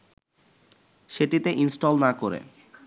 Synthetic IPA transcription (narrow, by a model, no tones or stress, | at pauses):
ʃeʈit̪eʔinsʈolnakoɾḛ